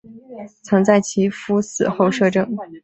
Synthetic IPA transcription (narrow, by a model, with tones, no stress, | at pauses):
t͡sʰɤ˧˥ŋt͡sa˥˩ɪt͡ɕʰi˧˥fu˥sɹ̩̰˨˩xo˥˧ʊʂɤ˥˧ʈ͡ʂɤ˥˩ŋ